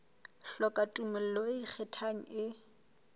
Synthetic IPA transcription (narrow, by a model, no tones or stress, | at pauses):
ɬɔkʼatʼumɛl̩loik͡xʰɛtʰaŋ̩ɪ